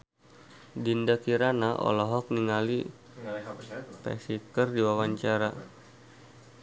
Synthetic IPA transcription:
dindakiɾanaʔɔ̰lɔɦɔk̚niŋali | pɛ̰sikərdiwawaɲt͡ʃaɾa

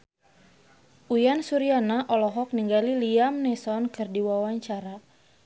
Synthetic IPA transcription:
ʔujansuɾianaʔɔlɔɦɔk̚niŋɡaliliamnɛsɔnkɨrdiwawaɲt͡ʃaɾa

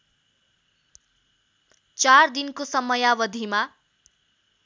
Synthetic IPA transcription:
t͡sard̪inkosʌmʌjabʌd̪ʱima

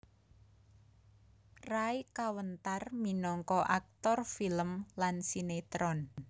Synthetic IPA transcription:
raikawənt̪arminɔŋkɔʔak̚t̪ɔrfiləmlansinet̪ɾɔn

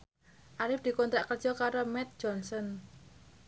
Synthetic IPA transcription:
ʔaɾɪfd̪̥i̤kont̪ɾaʔkərd̥ʒ̥ɔkaɾomɛt̪̚d͡ʒɔnsɔn

